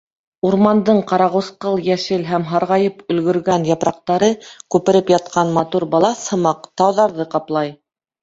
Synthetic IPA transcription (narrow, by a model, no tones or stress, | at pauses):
uɾmɑnd̪ɤɴqɑɾɑʁŭsqɤlˠjæʃɘlɦæmɦɑɾʁɑjɤpɵ̆lɡɵ̆ɾɡænjɑpɾɑq̚t̪ɑɾɤkʉpɘ̆ɾɘpjɑt̪̚qɑnmɑt̪uɾbɑlˠɑshɤ̆mɑqt̪ɑwðɑɾðɤqɑplˠɑj